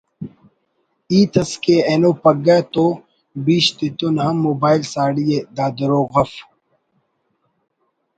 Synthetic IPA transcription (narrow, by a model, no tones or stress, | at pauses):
iːt̪ɐskeenopɐɡat̪o | biːɕt̪it̪unhɐmːoːbaːilsaːɽijed̪aːd̪ɾoːɣɐf